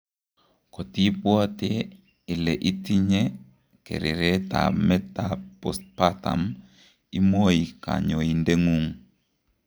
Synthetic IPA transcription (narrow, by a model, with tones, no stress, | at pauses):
ko˨ti˦pwɔ˦tɪ˦ | ɪ˨lɛ˨ʔi˦ti˦ɲe˦ | kḛ˨ɾɪ̰˨ɾe˦ta̰˨mɛ˦ta˨pɔ̰˦s̚pa˦ta̰˨m | i˦mo˦i˨ka̰˨ɲɔ˨i˨nde˦ŋu˦ŋ